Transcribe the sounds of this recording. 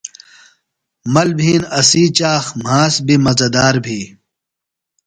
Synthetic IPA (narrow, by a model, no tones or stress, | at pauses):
mɐlbʱiːnɐsiːt͡ɕaːxm̤aːsbimɐzɐd̪aːɾbʱiː